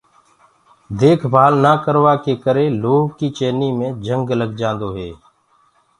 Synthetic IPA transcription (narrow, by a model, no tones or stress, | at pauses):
d̪eːkʰbʱaːlnaːkəɾʋaːkeːkəɾẽːloːɡkiːt͡ʃeːniːmẽːd͡ʒəŋɡləɡd͡ʒãːnd̪oːɦeː